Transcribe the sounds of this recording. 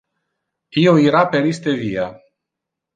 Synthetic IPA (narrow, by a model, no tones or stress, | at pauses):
ioiɾapeɾist̪evia